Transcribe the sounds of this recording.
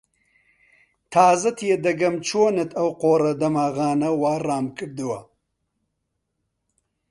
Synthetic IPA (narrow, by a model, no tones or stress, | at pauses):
t̪ʰaːzɐt̪ʰjed̪ɐɡɐmt͡ʃʰoːnɐt̪ʰawqoːɾɐd̪ɐmaːɣɑːnɐwaːɾɑːmkɨɽd̪uwa̰